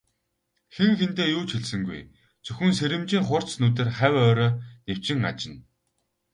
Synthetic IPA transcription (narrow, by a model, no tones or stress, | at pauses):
xeŋxent̪eːjuːt͡ɕʰiɮsɘ̆ŋɡṵj | t͡sɵxɵ̆nseɾɘ̆mt͡ɕiːŋχʊr̥t͡snuːt̪̬ĕrχæwʲœːɾœːnew̥t͡ɕɪ̆ŋa̰t͡ɕɪ̆n